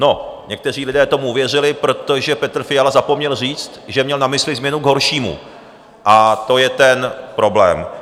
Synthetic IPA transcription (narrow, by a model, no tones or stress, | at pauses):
no̞ɲɛk̚t̪ɛr̝iːlɪdɛːt̪o̞muʔuvjɛr̝ɪlɪpɾo̞t̪o̞ʒɛpɛt̪r̩fɪjalazapo̞mɲɛlr̝iːt͡st̪ʒɛmɲɛlnamɪslɪzmɲɛnuɡɦo̞ɾʃiːmṵ | ʔat̪o̞jɛt̪ɛnpɾo̞blɛ̰ːm